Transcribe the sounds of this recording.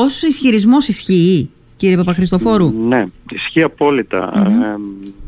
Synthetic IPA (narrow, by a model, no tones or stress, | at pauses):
osisçiɾizmo̞sisçiː | ciɾiepɐpɐxɾist̪o̞fo̞ɾuneisçiːɐpo̞lit̪ɐ̰